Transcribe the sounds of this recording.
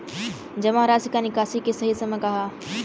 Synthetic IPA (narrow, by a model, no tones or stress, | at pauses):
d͡ʒɐmãɾaːsikanɪkaːsikesɐɦisɐmẽkɐɦaː